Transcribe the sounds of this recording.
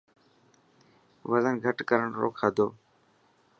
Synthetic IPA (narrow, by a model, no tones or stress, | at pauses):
ʋəzənɡʱəʈkəɾəɳɾo̰ːkʰaːd̪oː